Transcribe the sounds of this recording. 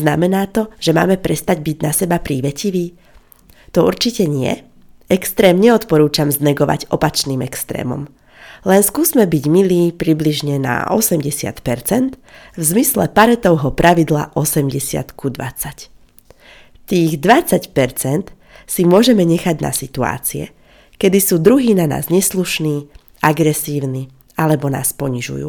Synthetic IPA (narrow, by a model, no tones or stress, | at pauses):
znamɛnaːt̪ɔʒɛma̰ːmɛpɾɛst̪aɟbiɟnasɛbapɾiːʋɛciʋiː | t̪ɔuɾt͡ʃicɛɲɪɛ̰ | ɛkst̪ɾɛːmɲɛɔt̪pɔɾuːt͡ʃamznɛɡɔʋa̰ɟɔpat͡ʃniːmɛkst̪ɾɛ̰ːmɔ̰m | lɛnskuːzmɛbiɟmiliːpɾibliʒɲɛna̰ɔ̰sɛmɟɛsɪa̰t̪pɛɾt͡sɛnt̪vzmislɛpaɾɛt̪ɔʊɦɔpɾʔaʋid̪la̰ʔɔsɛmɟɛsɪa̰t̪kud̪ʋa̰t͡sac | t̪iːɣd̪ʋat͡sacpɛɾt͡sɛnt̪ | simʊɔʒɛmɛɲɛxaɟna̰sit̪ua̰ːt͡siɛ̰ | kɛd̪isuːd̪ɾuɦiːnana̰ːzɲɛsluʃniː | aɡɾɛsiːʊni | alɛbɔna̰ːspɔɲiʒṵjṵː